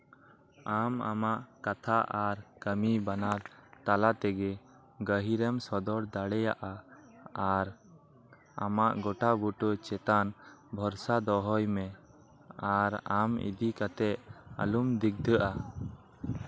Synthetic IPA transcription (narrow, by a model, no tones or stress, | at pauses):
ama̰maʔkat̪ʰaʔaɾkəmibanaɾt̪alat̪ɛɡɛ | ɡəɦiɾɛmsɔd̪ɔɽd̪aɽɛjaʔa | aɾ | a̰maʔɡɔʈabuʈɔt͡ʃɛt̪anbʱɔɾsad̪ɔɦɔjmɛ | aɾamḭd̪ikat̪ɛʔa̰lumd̪iɡ̚d̪əʔa